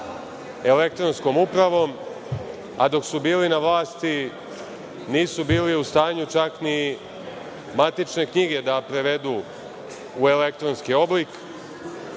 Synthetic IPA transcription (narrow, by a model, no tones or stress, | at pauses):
e̞le̞kt̪ɾo̞nsko̞mupɾaʋo̞m | a̰d̪o̞ksubiːlinaʋlaːst̪i | niːsubiːliust̪aːɲut͡ʃakni | mat̪it͡ʃne̞kɲiɡe̞d̪apɾe̞ʋe̞d̪uː | e̞le̞k̚t̪ɾo̞nskio̞blik